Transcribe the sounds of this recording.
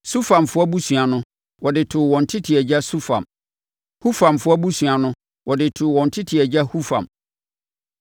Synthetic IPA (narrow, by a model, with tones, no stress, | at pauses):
su˦fã˨mfʊ˦ɔ˦bu˦sũ˨a˨nʊ̃˦ | wɔ˨dɪ˨tʰʊ˨wɔ̃˨n̩˨tʰɪ˦tʰɪ˨ɛ˨d͡ʑa˦su˦fã̰˨m | hu˦fã˨mfʊ˦ɔ˦bu˦sũ˨a˨nʊ̃˦ | wɔ˨dɪ˨tʰʊ˨wɔ̃˨n̩˨tʰɪ˦tʰɪ˨ɛ˨d͡ʑa˦hu˦fã̰˨m